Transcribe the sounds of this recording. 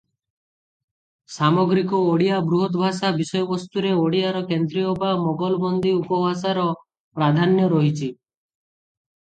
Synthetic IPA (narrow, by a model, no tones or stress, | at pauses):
samɔɡɾikɔoɽijabɾuɦɔt̪bʱasabisɔjɔbɔst̪uɾeoɽijaɾɔkend̪ɾijɔbamɔɡɔlbɔnd̪ʱiupɔbʱas̬aɾɔ | pɾad̪ʱanjɔɾɔɦit͡ʃʰi